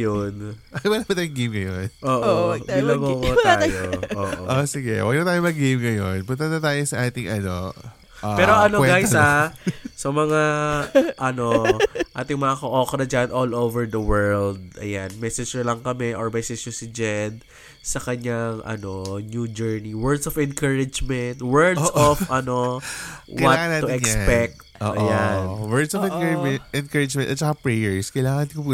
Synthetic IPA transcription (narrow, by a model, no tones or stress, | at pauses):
jonʔɐbɐnɐmɐt̪ajʊŋɡejmŋɐjonʔoːʔilɐɡokt̪aːjoʔoːʔoʔosɪɡɛ̰wɐ̰ɡ̚nɐt̪aːjomɐɡejmŋɐjonpʊnt̪ɐnɐt̪aːjosɐʔaːt̪ɪŋʔɐno̰ | ʔapɛːɾoʔɐnoɛɡajsasɐmɐŋa | ʔɐno̞ʔa̰ːt̪ɪŋmɐŋakoʔoːkɾɐd͡ʒɐnʔolowvɛɹd̪ɐwɛɹld̪̚ʔɐ̰janmɛːsɛd͡ʒɛɹlɐŋkɐmɛʔɔɹmɛsɛd͡ʒosɪd͡ʒɛd̪ | sɐkɐɲaŋʔɐ̰no̞njuːd͡ʒɛɹniwɛɹd̪sɔfɛ̃nkɐɹɪd͡ʒmɛnt̪wɛɹd̪sofʔɐno | wɐtːʊʔɛkspɛk̚t̪ːɐjanwɛɹd̪sɔfɛ̃kɛɛnkəɹɪd͡ʒmɛ̃nɐt̪̚t͡ʃɐkapɹɛjɛɹskɐjlaːŋɐnk